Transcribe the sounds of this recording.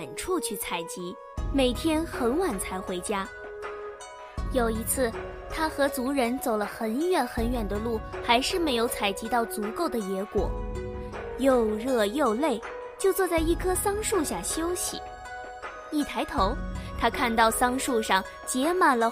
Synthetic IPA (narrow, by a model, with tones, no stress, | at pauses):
nʈ͡ʂʰu˥˧t͡ɕʰy˥˩t͡sʰa˨˩ɪt͡ɕi˧˥ | me˨˩ɪt̪ʰjɛ˥nxə˧˥nwa˨˩nt͡sʰa˧˥ɪxwe˧˥ɪt͡ɕja˥ | jo˨˩ʊi˧˥t͡sʰɹ̩˥˩ | t̪ʰa˥xɤ˧˥t͡su˧˥ɻə˧˥nt͡so˨˩ʊlə˦xə˧˥nɥɛ˨˩nxə˧˥nɥɛ˨˩nd̪ə˦lu˥˩xa˧˥ɪʂɻ̩˥˩me˧˥ɪjo˧˥ʊt͡sʰa˨˩ɪt͡ɕi˧˥t̪ɑ˥˩ʊt͡su˧˥ko˥˩ʊd̪ə˩jɛ˧˥kwɔ̰˨˩˦ | jo˥˧ʊɻɤ˥˧jo˥˧ʊle˥˩ɪ | t͡ɕjo˥˧ʊt͡swɔ˥˧t͡sa˥˧ɪi˥˩kʰɤ˥sɑ˥ŋʂu˥˧ɕja˥˩ɕjo˥ʊɕḭ˨˩ | i˥˩t̪ʰa˧˥ɪt̪ʰo˧˥ʊt̪ʰa˥kʰa˥˧nt̪ɑ˥˩ʊsɑ˥ŋʂu˥˧ʂɑ˥˩ŋ | t͡ɕjɛ˧˥ma˨˩nlə˩